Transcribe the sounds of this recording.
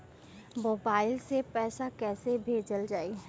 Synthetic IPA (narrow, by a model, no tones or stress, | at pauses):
moːbaːɪlsepɛːsakɛːsebʱeːd͡ʒəld͡ʒaːi